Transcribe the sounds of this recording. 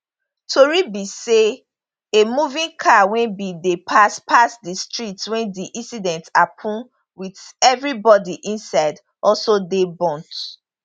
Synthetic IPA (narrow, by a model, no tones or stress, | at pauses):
tʰoɹibise | emuvĩnkʰawɛ̃nbidepʰaspʰasdistɹitwɛ̃ndiʔĩnsidɛ̃ntapʰũn | widɛvɹibɔdiʔĩnsaɪd | ɔsodebɔ̃nt